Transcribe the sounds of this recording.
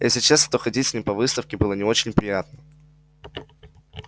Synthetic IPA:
jḛsʲɪt͡ɕast̪oxɐdʲitʲsʲnʲimʲpɐvɨst̪əfkʲɪbɨlˠənʲɪo̞t͡ɕɪnʲpɾʲɪjat̪nə

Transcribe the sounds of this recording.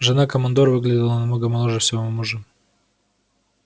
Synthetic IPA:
ʐɨnakəmɐnd̪oɾvɨɡlʲɪdʲɪlˠənɐmnoɡəmɐlˠoʐɨfsʲɪvoomuʐɨ

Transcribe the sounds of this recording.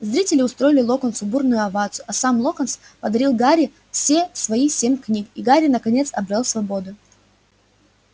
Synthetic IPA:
zɾʲitʲɪlʲɪʊst̪ɾo̞jɪlʲɪlˠokənsʊburnʊjʊɐvat̪sʊɐsamlˠo̞kəns | pəd̪ɐɾʲilˠɡaɾʲɪ | fsʲe̞svɐisʲemʲknʲikiɡaɾʲɪnəkɐnʲe̞t̪sɐbɾʲəlˠsvɐbo̞d̪ʊ

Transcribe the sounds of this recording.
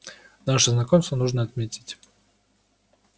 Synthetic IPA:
naʂəznɐkomst̪vənuʐnəɐt̪mʲetʲɪ̥tʲ

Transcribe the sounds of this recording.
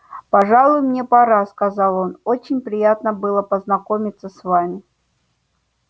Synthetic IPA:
pɐʐalˠʊjmnʲepɐɾaskɐzɑlˠo̞no̞t͡ɕɪnʲpɾʲɪjat̪nəbɨlˠəpəznɐko̞mʲɪt̪sːəsvamʲɪ

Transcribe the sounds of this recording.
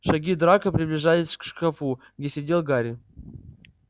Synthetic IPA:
ʂaɡʲid̪ɾakɐpɾʲiblʲiʐajʲɪsʲkʂkafu | ɡdʲesʲedʲelˠɡaɾʲi

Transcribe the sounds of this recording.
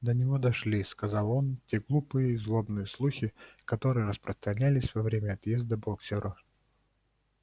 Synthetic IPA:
d̪ənʲɪvo̞d̪ɐʂlʲiskɐzɑlˠo̞ntʲe̞ɡlˠupɨjəizlˠo̞bnɨjəslˠuxʲɪkɐt̪o̞ɾɨjəɾəspɾəst̪ɾɐnʲælʲɪsʲvɐvɾʲemʲəɐt̪jezd̪əboksʲɪɾʔʊ

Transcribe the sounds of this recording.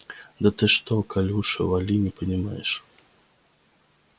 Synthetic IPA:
d̪ɐt̪ɨʂt̪ɔkalʲuʂɐ̰valʲinʲipənʲima̰jɛʂ

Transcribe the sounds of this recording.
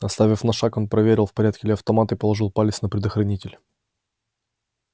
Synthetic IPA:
ɐst̪avʲɪfnɐʂako̞npɾɐvʲeɾʲɪlˠfpɐɾʲat̪̚kʲɪlʲɪɐft̪ɐmat̪ɨpəlˠɐʐɨlˠpalʲɪsnəpɾʲɪd̪əxɾɐnʲitʲɪlʲ

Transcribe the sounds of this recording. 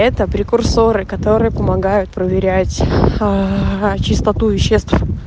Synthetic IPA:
ɛt̪əpɾʲɪkʊrso̞ɾɨkɐt̪o̞ɾɨjəpəmɐɡajʊt̪̚pɾəvʲɪɾʲætʲ | t͡ɕɪst̪ɐt̪uvʲɪɕːest̪f

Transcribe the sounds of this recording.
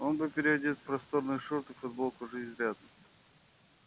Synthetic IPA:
onbɨpʲɪɾʲɪɐd̪ʲit̪spɾɐst̪oɾnɨjʂoɾt̪ɨfʊd̪bolˠkʊʐɨzʲzɾʲad̪ɨ

